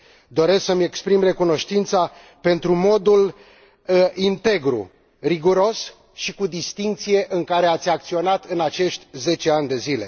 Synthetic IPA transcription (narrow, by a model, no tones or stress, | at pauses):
d̪o̞ɾe̞sksəme̞kspɾimre̞kuno̞ʃt̪int̪sa | pe̞nt̪ɾumo̞d̪ul | əint̪e̞ɡɾṵ | riɡuɾo̞s | ʃikud̪ist̪iŋk̚t̪sije̞ʔɨŋkaɾe̞at̪sʲak̚t̪sio̞nat̪ɨnat͡ʃe̞ʃt̪ʲze̞t͡ʃe̞anʲd̪e̞zile̞̰